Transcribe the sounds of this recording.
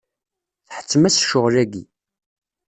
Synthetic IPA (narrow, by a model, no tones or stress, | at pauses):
θħə̥t͡sːmæsʃʊʁlæɡḭ